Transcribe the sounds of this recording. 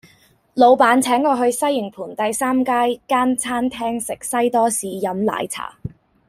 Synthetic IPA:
lo˨˧wpaː˨˥nt͡sʰɛː˨˥ŋkɔː˧ɦɵ˧ɥsɐ˥jːɪ˨˩ŋpʰuː˨˩nt̪ɐ˨jsaː˥mkaː˥jkaː˥nt͡sʰaː˥nt̪ʰɛː˥ŋsɪ˨˩k̚sɐ˥jt̪ɔː˥siː˨˧jɐ˨˥mla̰ː˨˧jt͡sʰa̰ː˨˩

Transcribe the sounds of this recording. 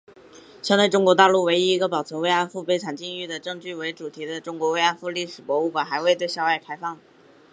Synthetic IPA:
ɕjɑ˥ŋt̪we˥˩ɪʈ͡ʂʊ˥ŋkwɔ˧˥t̪a˥˧lu˥˩we˧˥ɪi˧˥i˧˥ɡə˧pɑ˨˩ʊt͡sʰɤ˧˥nwe˥ɪa˥nfu˥˩˧pe˧˥ɪʈ͡ʂʰa˨˩nt͡ɕi˥˧ŋy˥˩d̪ə˩ʈ͡ʂɤ˥˧ŋt͡ɕy˥˩we˧˥ɪʈ͡ʂu˨˩t̪ʰi˧˥d̪ə˧ʈ͡ʂʊ˥ŋkwɔ˧˥we˥ɪa˥nfu˥˧li˥˩ʂɻ̩˨˩pwɔ˧˥u˥˩kwa˨˩xa˧˥ɪwe˥˧ɪt̪we˥˧ɪɕjɑ˥˧ʊwa˥˩ɪkʰa˥ɪfɑ˥˩ŋ

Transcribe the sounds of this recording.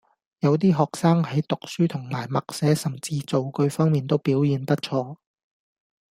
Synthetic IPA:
jɐ˨˧wt̪̬iː˥ɦɔː˨k̚saː˥ŋhɐ˨˥jt̪ʊ˨k̚syː˥t̪ʰʊ˨˩ŋmaː˨˩jmɐ˨k̚sɛː˨˥sɐ˨˩mt͡siː˧t͡so˨wkɵ˧ɥfɔː˥ŋmiː˨nt̪o˥wpiː˨˥wjiː˨˧nt̪ɐ˥t̚t͡ʃʰɔː˧

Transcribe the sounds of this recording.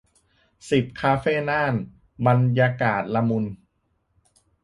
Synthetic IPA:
si˨˩p̚kʰaː˧feː˥˩naː˥˩n | ba˧njaː˧kaː˨˩t̪̚la˧mu˧n

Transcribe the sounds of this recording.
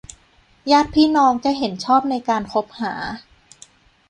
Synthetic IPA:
jaː˥˩t̪̚pʰiː˥˩nɔː˧ŋt͡ɕa˨˩ɦe˩˦nt͡ɕʰɔː˥˩p̚na˧jkaː˧nkʰo˦˥p̚ha̰ː˩˦

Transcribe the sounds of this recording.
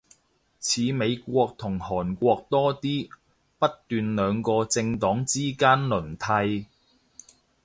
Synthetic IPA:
t͡sʰiː˨˧me˨˧jkʷɔː˧k̚t̪ʰʊ˨˩ŋhɔː˨˩nkʷɔː˧k̚t̪ɔː˥t̪iː˥ | pɐ˥t̚t̪yː˨nlœː˨˧ŋkɔː˧t͡sɪ˧ŋt̪ɔː˨˥ŋt͡siː˥kaː˥nlɵ˨˩nt̪ʰɐ˧j

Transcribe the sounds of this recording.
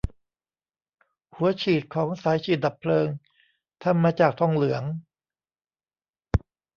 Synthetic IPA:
hu˩˦ɐt͡ɕʰiː˨˩t̪̚kʰɔː˩˦ŋsaː˨˩˦jt͡ɕʰiː˨˩t̪̚d̪a˨˩pʰlɤː˧ŋ | t̪ʰa˧mːaː˧t͡ɕaː˨˩k̚t̪ʰɔ˥˧˩ŋlɯ˩˦əŋ

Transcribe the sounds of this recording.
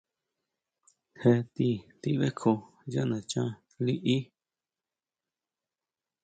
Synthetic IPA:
he˧t̪i˧t̪i˧βe˦kʰo˧ | ja˦ʔnã˨t͡ʃã˦ | li˦ʔi˦

